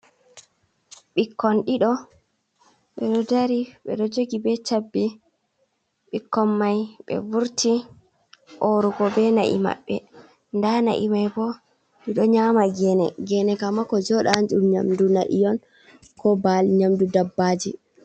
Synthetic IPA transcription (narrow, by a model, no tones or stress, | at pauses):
ɓikːɔnɗiɗɔ | ɓɛɗɔdaɾiɓɛ̰ɗɔd͡ʒoɡibɛt͡ʃabːi | ɓikːɔnmajɓɛ̰vuɾti | ʔoɾuɡɔbɛna̰ʔḭma̰ɓːɛ | ndana̰ʔimajbɔ | ɗiɗɔɲamaɡɛnɛɡɛnɛkamakɔd͡ʒɔɗand͡ʒumɲa̰mdunaʔḭjɔn | kɔbalɲamdudabːad͡ʒi